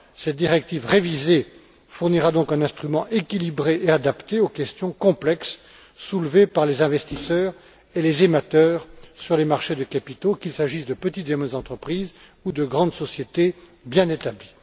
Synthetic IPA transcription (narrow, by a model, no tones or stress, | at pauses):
sɛt̪̚d̪iʁɛk̚t̪ivʁevize | fuʁniʁad̪ɔ̃kɛ̃nɛ̃st̪χymɑ̃ʔekʲilibʁeʔead̪apt̪eokʲɛst̪jɔ̃kɔ̃plɛks | sulvepaʁlezɛ̃vɛst̪isœːʁ | elezemat̪œːʁsyʁlemaʁʃed̪əkapit̪okʲilsaʒisd̪əpət̪it̪emɛzɑ̃t̪χəpχiːz | ud̪əɡʁɑ̃d̪sɔsjet̪e | bjɛ̃net̪abli